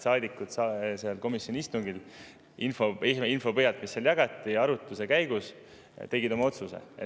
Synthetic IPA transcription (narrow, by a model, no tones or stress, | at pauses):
sɑːd̪ʲikːut̪sɑseɑlko̞misjo̞nʲiist̪uŋɡ̥il | ʔinfoiinfo̞pɤjɑlt̪misːɑljɑɡɑt̪ːˑiɑɾut̪ːˑuse̞kæjɡ̥us | t̪e̞ɡid̪o̞mɑo̞t̪suse̞̰e